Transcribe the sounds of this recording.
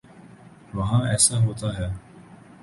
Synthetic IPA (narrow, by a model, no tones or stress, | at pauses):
ʋɐɦɑ̃ːɛsaːɦoːt̪aːɦɛ